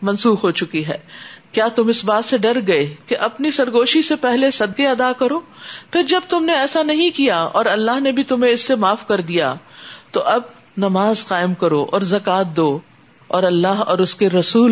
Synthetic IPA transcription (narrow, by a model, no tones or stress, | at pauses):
mɐ̃nsuːxɦoːt͡ʃʊkiɦɛːkjaːt̪ʊmɪsbaːt̪seɖɐɾɡɐekeʔɐpnisɐɾɡoːʃisepɛɦlesɐd̪̚keɐd̪akɐɾoːpʰɪɾd͡ʒɐb̚t̪ʊmneɛːsanɐɦĩkijaɔːɾɐlːaɦnebʱit̪ʊmẽɪsːemaːfkɐɾd̪ija̰t̪oʔɐb | nɐmaːzqaːɪmkɐɾoʔɔ̰ːɾzɐkaːt̪̚d̪oː | ɔːɾɐlːaɦɔːɾʊskeɾɐsuːl